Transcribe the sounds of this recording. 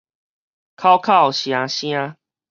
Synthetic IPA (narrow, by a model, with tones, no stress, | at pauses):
kʰa˦ʊkʰa˥˦˨ʊwɕjã˨˧ɕj̃ã˦